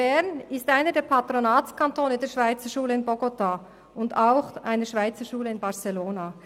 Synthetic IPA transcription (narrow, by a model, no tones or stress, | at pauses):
ɛʁnɪstʔaɪnədeːɐpʰatɾonaːt͡skʰantʰoːnədeːɐʃv̥aɪt͡səʃuːləɪnbɔɡota | ʊndaʊxʔa̰ɪnəʃv̥aɪt͡səʃuːləɪnbɑʁseloːna